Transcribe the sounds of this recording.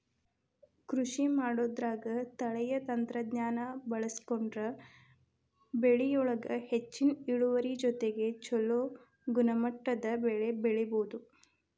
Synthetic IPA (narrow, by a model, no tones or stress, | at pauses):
kɾuʂimaːɽod̪ɾaːɡɐt̪ɐɭɛjɐt̪ɐnt̪ɾɐd̪ɲaːnɐbɐɭɐsi̥koɳɖɾɐ | beɭijɔɭɐɡɐhet͡ʃːiniɽuʋɐɾid͡ʒɔt̪eɡe̞t͡ʃɔloː | ɡunɐmɐʈːɐd̪ɐbeɭe̞beɭiboːd̪u